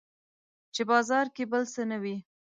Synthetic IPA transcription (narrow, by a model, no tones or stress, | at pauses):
t͡ʃebɑzɑɾkebəlsənawi